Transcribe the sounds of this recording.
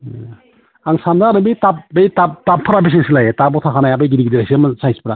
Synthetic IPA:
aŋsandaɾɯbitap̚bejtap̚tapʰːaɾabis̬eŋsilajetabɔtʰakʰanajabejɡidiɡidiɾajsimsajsi̥pɾa

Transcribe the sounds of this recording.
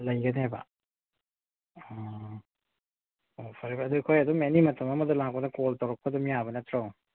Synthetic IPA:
lɐjɡɐneba̰ | opʰɐɾebːdujkʰojɐdumenimɐtʰɐmɐmɐdɐlaŋkonɐkoltɐwɾɐk̚pʰɐdɐmijabɐnɐtʰɾaw

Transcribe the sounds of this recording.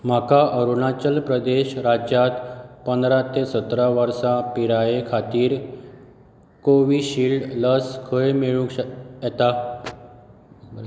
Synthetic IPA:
m̤akaʔəɾunat͡ɕəlpɾəd̪eɕɾad͡ʑjat̪pənd̪ɾat̪esət̪ɾaʋəɾsapiɾajekʰat̪iːɾ | koʋiːɕiːlɖləskʰəemeɭũkjɛt̪a

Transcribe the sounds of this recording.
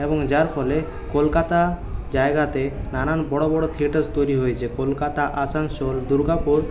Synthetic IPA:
eboŋd͡ʑaɾpʰɔle | kolkat̪ad͡ʑaeɡat̪enaɾanbɔɽobɔɽot̪ʰieʈest̪ojɾiɦojet͡ɕʰekolkat̪aʔasansold̪uɾɡapoɽ

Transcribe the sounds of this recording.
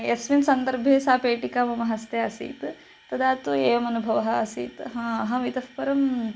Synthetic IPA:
esminsɐnd̪ɐɾbʱeːsaːpeːʈikaːʋɐmɐɦɐst̪eɐsḭːt̪ | t̪ɐd̪aːt̪ueːʋɐmɐnubʱɐʋɐɦɐɐsiːt̪ɦɐ̃ːɐɦɐʋit̪ɐfpɐɾɐm

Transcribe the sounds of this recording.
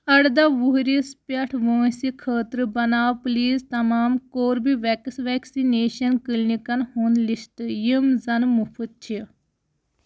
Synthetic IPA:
ɐɽd̪ɐʋuɦɾispɐʈʰʋoːsikʰəːt̪ɾɨbɐnaːwpliːzt̪ɐmaːmkoːɾbiʋeksʋɛːksineːʃɐnkilnikɐnhuːnlist̪ɨjimzɐnmupʰut̪̚t͡ʃʰi

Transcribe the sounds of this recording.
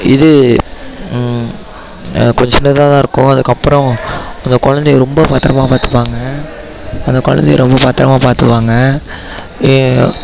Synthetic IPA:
ɪðɯ | kɔɲd͡ʒɐnːɖɯt̪ãːt̪ãːɪɾɯkːʊ̃ɐðɯkːɐpːɾɔ̃ɐnd̪ɐkɔɻɐnd̪ɛjɾɔmbɐpɐt̪ːɾɐmaːpaːɾt̪ɯ̥pːaːŋɡɐ | ɐnd̪ɐkɔɻɐ̰nd̪ejɾɔmbɐpaɾt̪ːɐɾɐmaːpaːɾt̪ɯʋaːŋɡɐ

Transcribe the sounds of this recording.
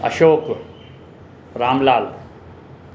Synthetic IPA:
ɐ̰ʃoːk | ɾaːmlaːl

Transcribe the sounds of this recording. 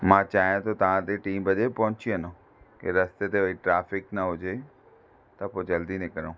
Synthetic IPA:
mãt͡ɕaːɦijãt̪ot̪ɐʋ̤ãt̪eʈiːmbɐd͡ʑepɐɦʊ̃t͡ɕiɐno | keɾɐst̪et̪eoiʈɾaːfɪknɐɦʊd͡ʑe | t̪ɐpoːd͡ʑɐld̪inẽkɐɾõː

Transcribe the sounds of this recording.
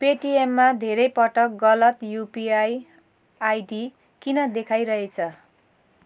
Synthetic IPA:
peʈiemːad̪ʱeɾʌjpʌʈʌk̚ɡʌlʌt̪jupiaj | ajɖi | kinʌd̪ekʰajɾʌɦet͡sʰʌ

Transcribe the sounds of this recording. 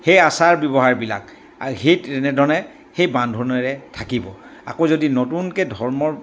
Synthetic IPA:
xejasaɹbɔbɔɦaɹbila̰k̚ | a̰hejtɛnɛdʱɔɹnɛ | xejbãndʱɔnɔɹɛtʰakibɔa̰kozodinotunkɛdʱɔɹmɔɹ

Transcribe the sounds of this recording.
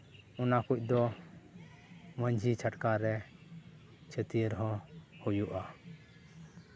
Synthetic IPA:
ɔnakuc̚ˀd̪ɔ | məɲd͡ʒʱit͡ʃʰaʈkaɾɛ | t͡ʃʰət̪iəɾɦɔ̃hujuʔa

